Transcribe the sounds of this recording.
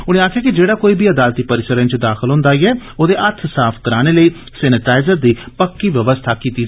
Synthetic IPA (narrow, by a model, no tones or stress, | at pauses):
ʊñẽːaːkʰjaːkɪd͡ʒeːɽaːkoːiːbiːəd̪aːlt̪iːpəɾɪsəɾə̃nt͡ʃd̪aːxəlɦʊ̃nd̪aːiːɛːoːd̪eːʔət̪ʰsaːpʰkəɾaːñeːləiː | sɛːnɪʈaːɪzəɾd̪iːpəkːiːʋjəʋəst̪ʰaːkiːt̪iː